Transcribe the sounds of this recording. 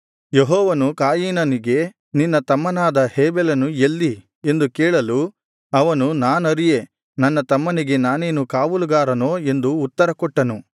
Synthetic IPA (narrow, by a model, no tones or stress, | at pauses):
jeɦɔːʋɐnukaːjiːnɐniɡe̞ | ninːɐt̪ɐmːɐnaːd̪ɐheːbɛlɐnuelːi | e̞nd̪ukɛːɭɐlu | ɐʋɐnunaːnɐɾije̞ | nɐnːɐt̪ɐmːɐniɡe̞naːne̞ːnukaːʋuluɡaːɾɐnoːe̞nd̪uːt̪ːɐɾɐkɔʈːɐnu